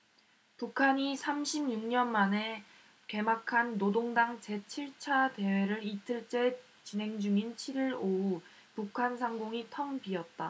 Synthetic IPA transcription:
pukʰaɲisʰamɕʰimɲuŋɲʌnmane̞ | ke̞makʰanːodoŋdaŋt͡ɕe̞t͡ɕʰiɭt͡ɕʰade̞we̞ɾɯɾitʰɯɭt͡ɕ͈e̞ | t͡ɕinɦe̞ŋd͡ʑuŋint͡ɕʰiɾiɾou | pukʰansʰaŋɡoŋitʰʌŋbiʌt̚t͈a

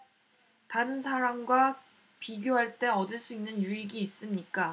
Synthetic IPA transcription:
taɾɯnsʰaɾamɡwa | piɡjoɦaɭt͈e̞ʌdɯɭs͈uinːɯnjuiɡiːs͈ɯmɲik͈a

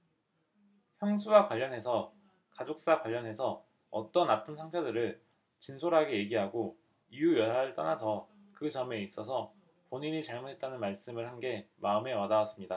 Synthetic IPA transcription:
çjʌŋsʰuwakwaʎːʌnɦe̞sʰʌ | kad͡ʑok̚s͈akwaʎːʌnɦe̞sʰʌ | ʌt͈ʌnapʰɯnsʰaŋpʰʌdɯɾɯɭ | t͡ɕinsʰoɾɦaɡeje̞ɡiɦaɡo | ijujʌaɾɯɭt͈ʌnasʰʌ | kɯt͡ɕʌme̞is͈ʌsʰʌ | poɲiɲit͡ɕaɭmunɦet̚t͈anɯnmaɭs͈ɯmɯɭhanɡe̞maɯme̞wadawas͈ɯmɲida

